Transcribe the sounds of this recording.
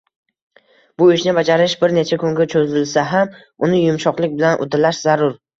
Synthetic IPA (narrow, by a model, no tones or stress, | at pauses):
b̥ʊɪʃnɪbad͡ʒaɾɪʃbɪɾne̞t͡ʃʰakʰʊŋɡʲat͡ʃʰozɪlsaɦam | ʊnɪjʊmʃɒqlˠɪkʲbɪlanʔʊ̰d̪ɪlaʃz̥aɾʊɾ